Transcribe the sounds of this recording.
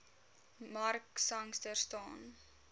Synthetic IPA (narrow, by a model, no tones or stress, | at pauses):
mɐrksɐŋstərstɑːn